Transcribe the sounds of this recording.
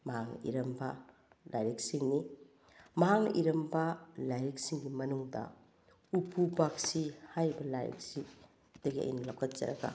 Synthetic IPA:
mɐɦaŋḭɾɐmbɐ | lʔajɾik̚siŋni | mɐɦaŋʔiɾɐmbɐlajɾik̚siŋɡimɐnuŋdɐ̰ | upʰubak̚sihajbɐlajɾḭk̚si | d̥ɐɡiɐ̰j̰nɐlawkʰɐt̚t͡ʃɐ̰ɾɐ̰ɡɐ̰

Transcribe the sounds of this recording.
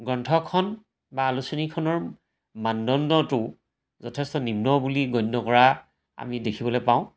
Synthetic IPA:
ɡɹɔntʰɔkʰɔn | baːlusinikʰɔnɔɹ | mandɔndɔtʊ | zɔtʰɛstɔnimnɔbuliɡɔjnːɔkɔɹa | a̰midekʰibɔlɔpaʊ̃

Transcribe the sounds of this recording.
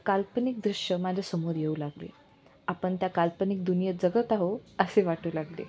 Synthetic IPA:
kalpənik̚d̪ɾiʂjəmad͡ʑʱasəmoːɾjeuːlaɡlḛ | apəɳt̪jakalpənik̚d̪unijət̪̚d͡zəɡət̪aɦoəseʋaʈʰuːlaɡlḛ

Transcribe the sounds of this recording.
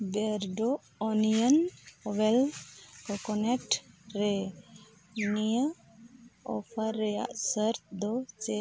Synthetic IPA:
bɛɾɖɔ | ɔnijənɔwɛlkɔkɔnɛʈɾɛ | nijə | ɔ̰pʰaɾːɛja̰ʔsəɾt̪̚d̪ɔt͡ʃɛ

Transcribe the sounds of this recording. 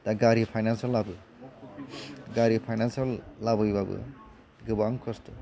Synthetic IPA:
t̪aɡaɾipʰajnansɔlːabɯ | ɡaɾipʰajnansalːabɯjbabɯ̰ | ɡɯbaŋkʰɔst̪u

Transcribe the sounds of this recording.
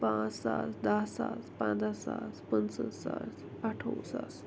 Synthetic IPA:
pãt͡sːa̰t͡sd̪asa̰t͡spãd̪asaspənsəsat͡s | aʈʰosa̰s

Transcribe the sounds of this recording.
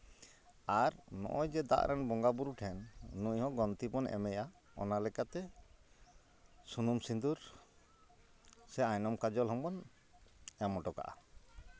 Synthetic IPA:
aɾnɔ̰ʔɔjd͡ʒɛd̪a̰ʔɾʔɛnbɔŋɡabuɾuʈʰɛnːuɲhɔ̃ɡɔnt̪ibɔnɛ̰mɛja | ɔ̰nalɛkat̪ɛ | sunumsind̪uɾ | sɛajnɔmkad͡ʒɔlɦɔŋbɔn | ɛmɔʈɔka̰ʔa̰

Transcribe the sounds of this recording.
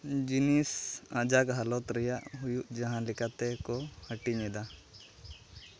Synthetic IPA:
d͡ʒinisad͡ʒakɦalɔt̪ɾɛjaʔɦujuʔd͡ʒaɦãlikat̪ɛkɔhəʈiɲɛd̪a

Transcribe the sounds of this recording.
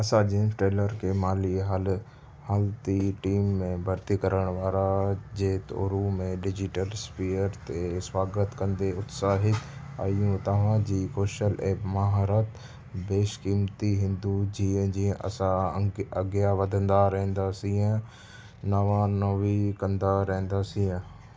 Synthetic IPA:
ɐsad͡ʒiʈɾeːləɾkemaːliɦəl | həlt̪iʈiːmːẽbʱəɾt̪ikəɾəɳ̃ʋaːɾad͡ʒeːt̪o̰ːɾumẽɖɪd͡ʒɪʈəlspʰiːjəɾt̪eswaːɡət̪kə̃nd̪eʊt̪saːɦɪt̪aːjũt̪ɐʋãːd͡ʒikoːʃəleːpmaɦɾət̪ | beːʃkiːmt̪iɦɪ̃nd̪ud͡ʒĩːd͡ʒĩʔə̰sãɐɡjaʋəd̪ə̃nd̪aːɾɛ̃ɦnd̪aːsiã | nəʋãnəʋikə̃nd̪aɾɛ̃ːnd̪aːsĩːã

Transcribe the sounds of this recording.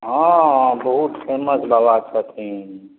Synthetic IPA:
ɦãbəɦut̪pʰeməsləʋat͡ʃʰət̪ʰi

